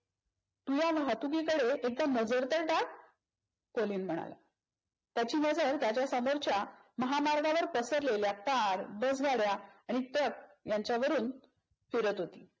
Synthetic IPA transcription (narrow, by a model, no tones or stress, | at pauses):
t̪ujaʋɦat̪uɡikəɽeek̚d̪anəd͡zəɾt̪əɾʈak | koliːnm̤əɽ̃a̰la̰ | t̪jat͡ɕiːnəd͡zəɾt̪jat͡ɕjasəmoɾt͡ɕjaməɦamaɾɡʱaʋəɾpəsəɾleljakaɾbəsɡʱaɽjaaɽ̃it̪ək̚jaɲt͡ɕjaʋəɾuːn | fiɾət̪ɦot̪iː